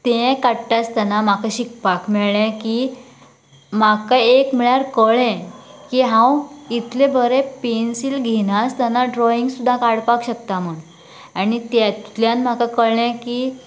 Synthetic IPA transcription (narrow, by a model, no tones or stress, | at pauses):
t̪ẽkaɽʈast̪anamakaɕikpakmɛɭɛ̃ki | makaekmiɭjaɾkəɭɛ̃kiːɦãwit̪lẽbəɾẽpensilɡʱinast̪janaɖɾɔiŋɡsud̪ʱːakaɽpakɕəkt̪am̤əɳ | anit̪at̪ljãnm̤akakəɭɛ̃ki